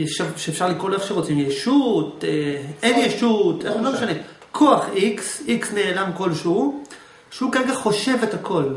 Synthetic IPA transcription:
efʃaʁʃeːfʃaʁlikʁolʔeχʃeʁot͡simjeʃutʔenjeʃutenlomeʃane̞ | kʰo̞aχiksiksne̞ːlamko̞lʃeu | ʃeukaʁeɡaχo̞ʃe̞vethakʰo̞l

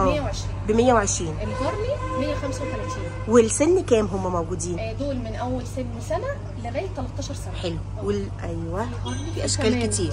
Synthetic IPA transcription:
ʔæːjːæwʕeʃɾiːbemejːæweʕeʃɾiːnʔelhɑɾˤnimejːæxæmsæwet̪ælæt̪iːn | welsenːkæːmɦʊmːæmæwɡuːd̪iːn | d̪oːlmɪnʔæwːælsebnisænæ | leɣæːjt̪ːælɑt̪ˤːɑːʃɑɾˤsænæħelw | welʔæjːwæ | fiʔæʃkæːlkɪt̪iːɾ

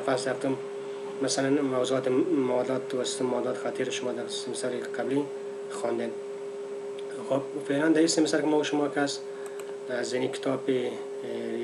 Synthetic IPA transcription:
fasd̪aft̪ʊmː | asalanmawzuɔːt̪ɪmad̪ɔt̪ːawasʊ̥t̪ʊmːawd̪ɔːt̪ɪ̥xat̪ʰiɾʃʊmɔd̪aɾsɪmɪsaɾɪqabli | xɔnd̪en | xob̚feland̪aisɪmɪsaɾkɪmɔʃʊmɔkas | zɪnikɪ̥t̪ʰɔpe

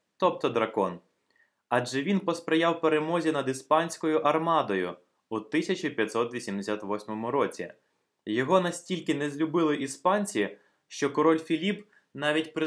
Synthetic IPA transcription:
t̪ɔp̚t̪ɔd̪ɾɐkɔn | ɑd͡ʒɛʋʲinpɔspɾejɑwpeɾemɔzʲinɐd̪ispɑnʲsʲkɔjʊʔɐrmɑd̪ɔjʊ | ut̪ɪsʲɐt͡ʃipʲjɐt̪sɔt̪ʋʲisʲimd̪esʲat̪ʋɔsʲmɔmʊɾɔt͡sʲḭ | jɔɦɔnɐsʲtʲilʲkɪnɛzʲlʲʊbɪlˠɪʔispɑnʲt͡sʲi | ʃt͡ʃɔkɔɾɔlʲfʲilʲip | nɑʋʲitʲpɾɪ

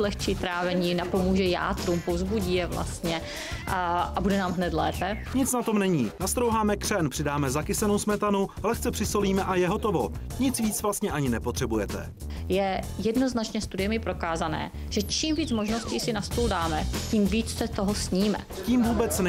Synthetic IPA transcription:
lɛxt͡ʃiːt̪ɾaːvɛɲiːnapo̞muːʒɛja̰ːt̪ɾumpovzbuɟiːjɛvla̰st̪ɲɛ | ʔabudɛnaːmɦnɛt̪lɛːpɛɲɪt͡snat̪o̞mnɛɲiːnast̪ɾowɦaːmɛkr̝̥ɛnpr̥ɪdaːmɛzakɪsɛnowsmɛt̪anulɛxt͡sɛpr̥ɪsoliːmɛʔajɛɦo̞t̪o̞vo | ɲɪt͡sviːt͡svlast̪ɲɛʔaɲɪnɛpot̪r̝̥ɛbujɛt̪ɛ̰ | jɛjɛdno̞znat͡ʃɲɛst̪udɪjɛmɪpɾo̞kaːzanɛ̰ː | ʒ̥ɛt͡ʃiːmviːt͡smoʒnosciːsɪnast̪uːldaːmɛciːmviːt͡ssɛt̪oɦosɲiːmɛ̰ | ciːmvuːbɛt͡sn

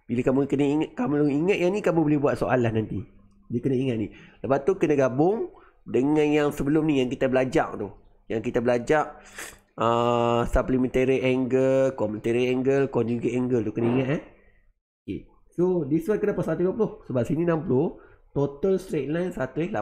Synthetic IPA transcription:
bilakamukənaiŋkamuliŋət̪̚jaŋnĩkamũbolɪhbuat̪̚soʔalahnant̪i | diəkənaiŋat̪̚niləpaʔ̪ukənəɡabʊŋ | dəŋãnjaŋsəbəlʊmnijaŋkit̪abəlad͡ʒa̰k̚t̪uh | jaŋkit̪abəlad͡ʒaʔ̚ | əsaplimə̃nt̪eɾiʔɛŋɡəlkɔmə̃nt̪eɾiɛŋɡəlkɔnd͡ʒuɡiʔɛŋɡəlt̪ukənəiŋat̪̚ah | okḛ | sodiswəkənapasat̪uiãpulʊhsəbap̚sinĩnampulʊht̪ot̪əlst̪ɾet̪̚lajnsat̪uela

